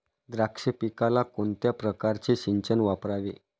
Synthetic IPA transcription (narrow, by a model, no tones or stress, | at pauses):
d̪ɾakʂəpikalakont̪japɾəkaɾt͡ɕiɕiɲt͡ɕənʋapɾaʋḛ